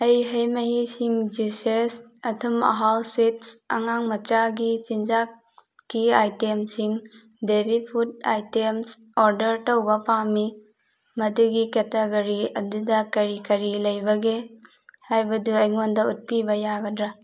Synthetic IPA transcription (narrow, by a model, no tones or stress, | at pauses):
ɐjɦɐjmɐɦisiŋd͡ʒusesɐtʰumɐ̰ɦawswit̚sɐ̰ŋaŋmɐt͡ʃaɡit͡ʃind͡ʒa | kːiajtemsiŋ | bebipʰut̚ajtems | oɾdɐɾtɐwbɐpami | mɐduɡiketeɡoɾiɐdudɐkɐɾikɐɾilɐjbɐɡe | hajbɐduɐjŋondɐut̚pibɐjaɡɐdɾa